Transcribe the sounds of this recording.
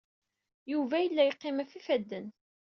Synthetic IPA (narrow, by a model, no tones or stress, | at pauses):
juvæjəlːæjəqːɪmæfifæd̪ːən